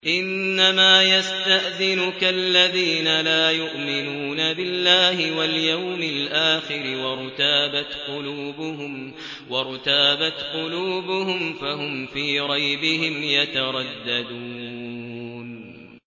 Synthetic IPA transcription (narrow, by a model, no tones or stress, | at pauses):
ʔɪnːamaːjast̪aʔðɪnʊkalːaðiːnalaːjʊʔmɪnuːnabɪlːaːhɪwaljawmɪlʔaːxɪɾɪwɑɾˤʊt̪aːbat̪qʊluːbʊhʊm | wɑɾˤʊt̪aːbat̪qʊluːbʊhʊmfaɦʊmfiːɾˤɑjbɪhɪmjat̪aɾˤɑd̪ːad̪uː | n